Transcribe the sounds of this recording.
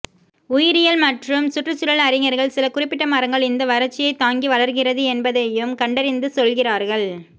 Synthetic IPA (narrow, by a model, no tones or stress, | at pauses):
ʊjɪɾɪjɐlmɐʈrɯmsʊʈrɯt͡ʃːʊɽɐɭɐɾɪŋɐɾɣɐɭsɪlɐkʊrɪpːɪʈːɐmɐɾɐŋɡɐɭɪnd̪ɐʋɐɾɐɾt͡ʃːɪjɐɪt̪ːaːŋɡiʋɐɭɐɾɣɪrɐðɯɛnbɐðɐjɯmkɐɳɖɐɾɪnd̪ɯsɔlɣɪraːɾɣɐɭ